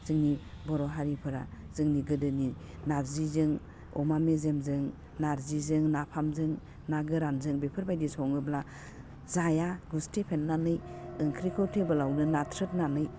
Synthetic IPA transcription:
z̥ɯŋni | bɔɾɔɦaɾipʰɯɾa̰ | z̥ɯŋniɡɯdɯni | naɾzizɯŋ | ɔmamezemzɯŋ | naɾzizɯŋnapʰamzɯŋ | naɡɯɾanzɯŋbepʰɯɾbajdisɔŋɯbla | zajaɡustʰepʰenːanɯjɯŋkʰɾikʰɔtʰebɯlawnɯnatʰɾɯt̚nanɯj

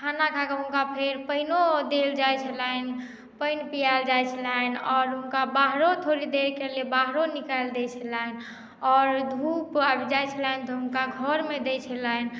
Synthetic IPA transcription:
kʰanakʰakəɦũnkapʰeɾpəinod̪eld͡ʒajt͡ʃʰəlɛn | pəɪnpijald͡ʒajt͡ʃʰəlanɔːɾɦunkabaɦɾot̪ʰoɾid̪eɾkelebaɦɾonikaeld̪et͡ʃʰəlɛn | ɔːɾd̪ʱupabd͡ʒajt͡ʃʰəlɛnt̪ɔɦʊnkaɡʱɔɾmed̪et͡ʃʰəlɛn

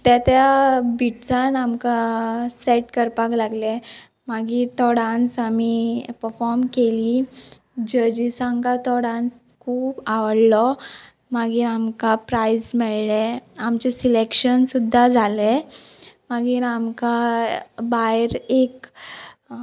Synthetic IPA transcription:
t̪at̪jabiʈt͡sanamkasɛʈkəɾpaklaɡle | maɡiːɾt̪ɔɽãnt͡samipəɾfɔɾmkeli | d͡ʑəd͡ʑisãŋkat̪ɔɽãnskʰuːbaʋəɽlɔ | maɡiːɾamkapɾajsmɛɭleamt͡ɕɛsilekɕənsud̪ʱːad͡zʱale | maɡiːɾamka | bajɾek

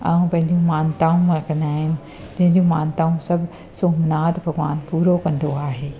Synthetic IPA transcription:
aːũpɐ̃ɦɪ̃ɲd͡ʑũmaːnt̪aːũɾɐkʰə̃nd̪aːɦɪnɪ̆ | d͡ʑɐ̃ɦɪ̃ɲd͡ʑũmaːnt̪aːũsɐbʱ | soːmnaːt̪bʱɐɡʋa̰ːnpuːɾokɐ̃nd̪ʱoaːɦeː

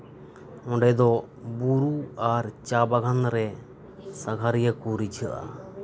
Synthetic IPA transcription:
ɔ̃ɖɛd̪ɔ | buɾuaɾt͡ʃabaɡʱanɾɛ | saɡʱaɾijakuɾid͡ʒʰʱə̰ʔa̰

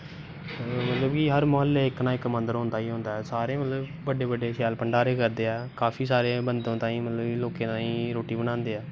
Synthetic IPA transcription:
mət̪ləbkiːɦəɾmoɦəlːeːɪknãːɪkːmə̃nd̪əɾɦõnd̪aːiːɦʊ̃ːnd̪aːɛːsaːɾeːmət̪ləbbəɖeːbəɖeːʃɛːlpəɳɖaːɾeːkəɾd̪eːɛːkaːfʰiːsaːɾeːbənd̪õːt̪ãːĩːmət̪ləbiːloːkẽːt̪ãːĩːɾoːʈiːbənãːnd̪eːɛː

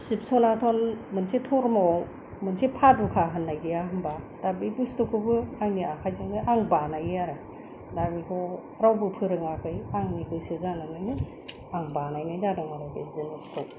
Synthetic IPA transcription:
sip̚sonatʰonmɯnsetʰoɾma | mɯnsepʰadukʰaɦɯnːajɡijaɦɯmba | d̥abibustokʰɯbɯajniakʰajziŋnɯʔaŋbanajaɾɯ | dabikʰɔ | ɾawbɯpʰɯɾɯŋakʰɯjaŋniɡɯsɯzananajnɯ | aŋbanajnajzadɔŋaɾawdezɯnistʰow

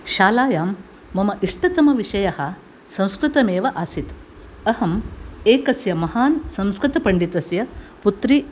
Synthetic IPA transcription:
ʃaːlaːjaːmː | ɐmɐʔiʂʈɐt̪ɐmɐʋiʂɐjɐhɐ̆ | sɐ̃w̃skɾɨt̪ɐmeːʋɐʔaːsit̪ | ɐhɐmeːkɐsjɐmɐhaːnsɐ̃w̃skɾɨt̪ɐpɐɳɖit̪ɐsjɐput̪ɾi

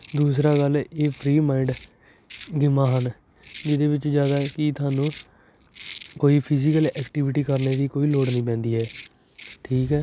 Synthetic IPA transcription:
d̪uːsɾaːɡəlɛeːpʰɾiːmaːɪɳɖ | ɡɪmaːɦən | d͡ʒɪd̪eːʋɪt͡ʃd͡ʒjaːd̪aːkɪt̪ʊaːnũː | koːiːpʰɪzɪkəlɛːkʈiːʋɪʈiːkəɾneːd̪iːkoːiːloːɽnĩːpɛ̃ːnd̪iːɦɛː | ʈʰiːkɦɛː

